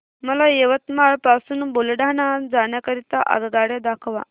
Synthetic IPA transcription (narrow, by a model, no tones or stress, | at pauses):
məlajeʋət̪maɭpasuːnbolɽaɳ̃ad͡zaɳjakəɾit̪aʔə̰ɡɡaɽjad̪akʰʋa̰